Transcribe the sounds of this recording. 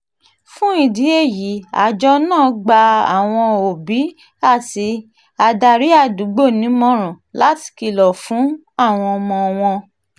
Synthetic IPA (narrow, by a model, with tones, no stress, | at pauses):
fũ˦i˦˨di˨˦e˦˨ji˨˦a̰˨d͡ʒɔ˧nãː˦˨ɡ͡ba˧a̰˨w̃ɔ̃˧o˨bi˨˦ | a˦˨ti˧ | a˧da˧ɾi˨˦a˦˧˨du˨˦ɡ͡bo˦˨nĩ˨˦mɔ̃˦ɾ̃ɔ̃˨la˨˦ti̥˧ki˧˨lɔ˨fũ˨˦ | a˦˨w̃ɔ̃˧mɔ̃˧w̃ɔ̃˧